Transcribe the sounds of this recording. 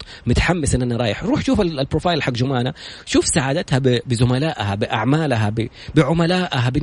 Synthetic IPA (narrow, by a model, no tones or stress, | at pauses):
mʊt̪ḁħamːɪsʔɪnːʔanːaɾˤɑːjɪħɾuːħʃuːfalpɾofaːjɪlħaɡd͡ʒʊmaːnaʃuːfsaʕaːd̪at̪habɪbɪzʊmalaːʔhabɪʔaʕmaːlɦabɪ | bɪʕʊmalaːʔɦabɪ